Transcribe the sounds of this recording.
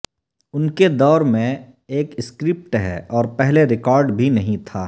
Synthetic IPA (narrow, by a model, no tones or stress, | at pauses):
ʊnked̪ɔːɾmẽ | eːkskɾɪp̚ʈɦɛ̰ʔɔːɾpɛɦleɾɪkɔːɾɖbʱinɐɦĩt̪ʰaː